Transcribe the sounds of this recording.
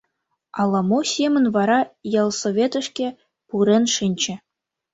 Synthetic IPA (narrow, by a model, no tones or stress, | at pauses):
ɑ̰lˠːɑmosʲemʲɘ̆nʲvɑɾɑjɑlˠsovʲet̪ɘ̆ʂkʲe | puɾʲĕnʂɘnʲt͡ɕɘ̆